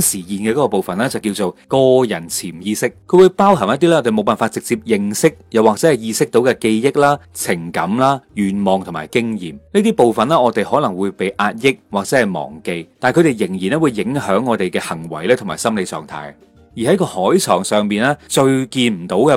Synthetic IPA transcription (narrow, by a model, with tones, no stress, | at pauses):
nsiː˨˩jiː˨nkɛː˧kɔː˨˦˥kɔː˧po˨˩wfɐ˨nlɛː˥t͡sɐ˨wki˧wt͡so˨wkɔː˧jɐ˨˩nt͡sʰiː˨˩m˨jiː˨˧sɪ˥k̚kʰɵ˧wu˨˧jpaː˥wɦɐ˨˩ŋjɐ˥t̪iː˥lɛː˥ɔː˨˧te˨mo˨˧wpaː˨˩nfaː˧t̚t͡sɪ˨k̚t͡siː˧p̚jɪ˨ŋsɪ˥k̚jɐ˨wːaː˨k̚t͡sɛ˨˥hɐ˨˩jjiː˧sɪ˥k̚t̪o˨˥wkɛː˧ke˧jjɪ˥k̚laː˥t͡sʰɪ˨˩ŋkɐ˨˥mlaː˥jyː˨nmɔː˨ŋt̪ʰʊ˨˩ŋmaː˨˩jkɪ˥ŋjiː˨mniː˥t̪iː˥po˨wfɐ˨nlɛː˥ɔː˨˧t̪e˨jhɔː˨˥lɐ˨˩ŋwuː˨˧jpe˨jʔaː˧t̚jɪ˥k̚waː˨k̚t͡sɛ˨˦˥hɐ˨˩jmɔ̰ː˨˩ŋke˨˧jt̪aː˨nkʰɵ˨˧t̪e˨jɪ˨˩ŋjiː˨˩nɛ˥wuː˨˧jːɪ˨˥ŋhœː˨˥ŋɔː˨˧t̪e˨jkɛː˧hɐ˨˩ŋwɐ̰˨˩jlɛː˥t̪ʰʊ˨˩ma̰ː˨˩jsɐ˥mle˨˧jt͡sɔ̰ː˨˩ŋt̪ʰa̰ː˧˥j | jiː˨˩hɐ˨˥jkɔː˧hɔː˨˥jt͡sʰɔ̰ː˨˩ŋsœː˨ŋmiː˨nlɛː˥t͡ʃɵ˧ɥkiː˧nm̩˨˩t̪o˨˥wkɛ˧